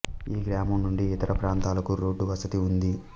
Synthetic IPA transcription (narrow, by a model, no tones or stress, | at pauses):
iːɡɾaːmɐmnuɳɖiːt̪ɐɾʔɐpɾaːnt̪aːlɐkuɾo̞ːɖːuʋɐsɐt̪iund̪i